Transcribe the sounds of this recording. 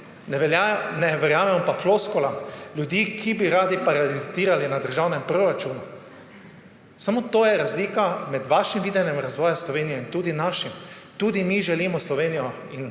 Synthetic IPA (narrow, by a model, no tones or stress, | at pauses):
nnɛʋɛɾjaːmɛmɔpafloskɔlaljud̪iːkʰibiɾaːd̪ipaɾaliziːɾalinad̪əɾʒawnɛmpɾoɾat͡ʃuːnu | samot̪oːjɛɾazliːkamɛd̪ʋaʃimʋiːd̪ɛnjɛmɾazʋɔːjaslɔʋeːnijɛint̪uːd̪inaːʃimt̪uːd̪imiʒɛliːmɔslɔʋeːnijɔ | in